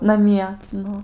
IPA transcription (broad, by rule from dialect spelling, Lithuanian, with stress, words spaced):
nɐˈmʲiɛ ˈnʊ